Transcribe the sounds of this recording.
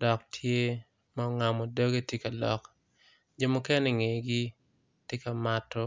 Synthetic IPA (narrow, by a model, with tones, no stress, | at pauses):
d̥ɔ˨k̚tʰje˦ | ma˨ŋa˨mɔ˨do˦ɡe˦tje˦ka˨lɔ̰˨k | d͡ʒo˦mu˦kɛ˦nɛ˨ŋe˨ɡi˦ | te˦ka˨ma˨tɔ˦